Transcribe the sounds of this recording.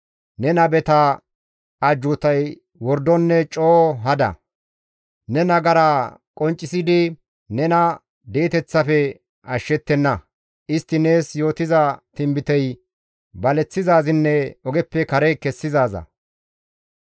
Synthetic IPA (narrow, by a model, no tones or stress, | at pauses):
nɛnɐbɛt̪ɐː | d͡ʒʊt̪ɐj | wɔɾd̪ɔnːɛt͡ʃʼoːɦɐd̪ɐ̰ | nɛnɐɡɐɾakʼɔnt͡ʃʼːɪsɪd̪ɪ | nɛnɐ | d̪eːt̪ɛt͡sːɐfɛ | ʔɐʃːɛt̪ːɛnːɐ | ʔɪst̪ːɪneːsjo̞ːt̪ɪzɐt̪ɪmbɪt̪ɛj | bɐlɛt͡sːɪzaːzɪnːɛɔɡɛpːɛkɐɾɛkɛsːɪzaːzɐ̰